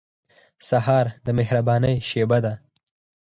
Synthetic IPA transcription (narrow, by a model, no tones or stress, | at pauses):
saɦɑɾd̪əmehɾabɑnəjʃebad̪a